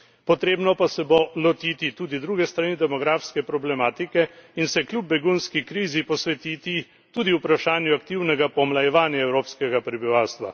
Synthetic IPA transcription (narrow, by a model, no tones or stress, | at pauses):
pɔt̪ɾeːbnɔpasɛbolɔt̪iːt̪it̪uːd̪id̪ɾuːɡɛst̪ɾanid̪ɛmɔɡɾaːfskɛpɾɔblɛmaːt̪ikɛinsɛklʲjub̚bːɛɡunskikɾiːzipɔsʋɛt̪iːt̪i | t̪uːd̪iupɾaʃaːnjuakt̪iwnɛɡapɔmlajɛʋaːnjaɛwɾoːpskɛɡapɾɛbiʋaːwst̪ʋa̰